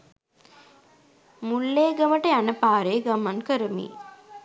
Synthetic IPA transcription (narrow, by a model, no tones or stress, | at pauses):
mulːeːɡəməʈəjanəpaːɾeːɡamaŋkəɾəmḭː